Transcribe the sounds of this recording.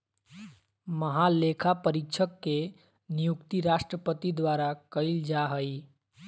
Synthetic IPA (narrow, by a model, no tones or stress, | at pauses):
məɦalekʰapəɾikt͡ʃʰəkːe | nijukt̪iɾasʈɾəpət̪id̪waɾakəɪld͡ʒaɦəj